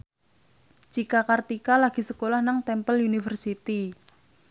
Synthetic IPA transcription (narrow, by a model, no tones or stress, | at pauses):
d͡ʒ̥ikakart̪ikalaɡ̥i̤səkolahnaŋt̪ɛmpəljunifərsit̪i